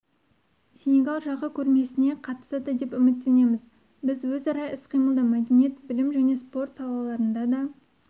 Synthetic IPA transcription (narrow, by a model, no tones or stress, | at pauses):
sʲeneɡɑlˠʒɑʁəkʲʰɵɾme̞sɪne̞qʰɑt̪ə̥səd̪əd̪e̞pʏmɪt̪ːe̞ne̞mɪz | bɪzwɵzɑɾɑjɪsqʰijməlˠd̪əmæd̪enije̞t̪bɪlɪmʒæne̞spo̞rt̪sɑlˠɑlˠɑɾənd̪ɑd̪ɑ